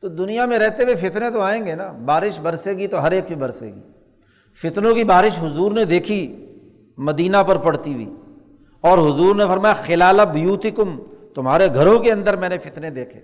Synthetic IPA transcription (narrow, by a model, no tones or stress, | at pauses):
t̪od̪ʊnijamẽɾɛɦt̪ewefɪt̪nẽt̪oaːẽːŋɡenabaːɾɪʃbɐɾseːɡit̪oɦɐɾeːkbʱibɐɾsḛːɡḭ | fɪt̪nõkibaːɾɪʃɦʊzuːɾned̪eːkʰi | mɐd̪iːnapɐɾpɐɽt̪iwḭː | ɔːɾɦʊzuːɾnefɐɾmaːjaxɪlaːlabʊjuːt̪ɪkʊmt̪ʊmɦaːɾeɡʱɐɾõkeɐ̃nd̪əɾmɛ̃ːnefɪt̪ned̪eːkʰḛː